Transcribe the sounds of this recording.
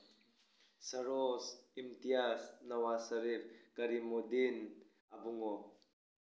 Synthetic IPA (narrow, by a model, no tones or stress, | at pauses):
sɐɾosimt̪ijasnɐwasəɾiɾkəɾimod̪in | abuŋo